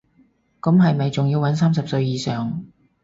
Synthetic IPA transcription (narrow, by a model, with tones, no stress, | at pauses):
kɐ˨˥mɦɐ˨jme˨˧jt͡sʊ˨ŋjiː˧wɐ˨˥ns̬aː˥ms̬ɐ˨p̚sɵ˧ɥjiː˨sœː˨ŋ